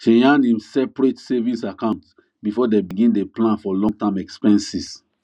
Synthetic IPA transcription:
t͡ʃɛ̃jãnĩmsɛpɹetsɛvĩsakãʊ̃nt | bifɔdebiɡĩndeplãnfɔlɔ̃ŋtãmɛkspɛ̃nsis

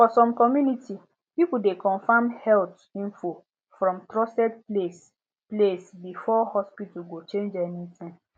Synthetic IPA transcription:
fɔsɔ̃mkɔmjunitʰi | pipudekʰɔ̃nfãmhɛlt | ĩnfo | fɹɔ̃mtɾɔsɛd̚ples | plesbifɔhɔspituɡot͡ʃẽnd͡ʒɛnitĩm

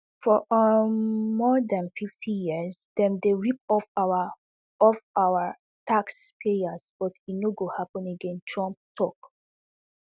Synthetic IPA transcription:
fɔ | mɔdãnfiftʰijizdɛ̃mdeɹip̚ɔf | ɔfawə | tʰakspʰejasb̥ɔtitnoɡohapə̃neɡɛ̃ntʰɹɔ̃mp̚tʰɔk

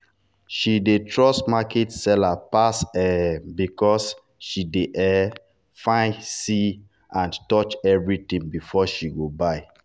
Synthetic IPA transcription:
ʃidetʰɹɔsmakɛtsɛlapasɛbikɔs | ʃideʔɛ | fãɪsi | ãntɔt͡ʃɛvɹitĩŋbifɔʃiɡobaɪ

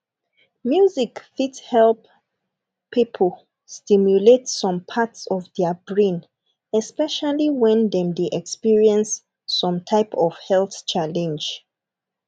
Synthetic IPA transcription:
mjuzikfithɛlp | pʰːipʰəl | stimjuletsɔ̃mpʰatsɔvdɛbɹĩn | ɛspɛʃaliwɛ̃ndɛ̃mdeʔɛkspiɹiɛ̃nsː | ɔ̃mtʰaɪpʰɔv̥hɛlθt͡ʃʰalɛ̃nd͡ʒ

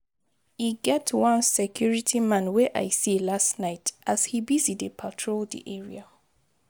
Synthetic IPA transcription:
hiɡɛtwʌ̃nsɛkʰjuɹitʰimãnwɛʔa̰ɪsilastnaɪtʔashibizidepʰatʰɹoldḭʔɛɹḭa

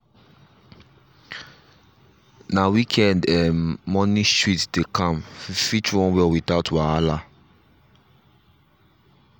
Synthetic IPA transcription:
nawikʰɛ̃ndɛːɔnĩstɹitdekãmfit͡ʃɹɔ̃nwɛlwitaʊtwaala

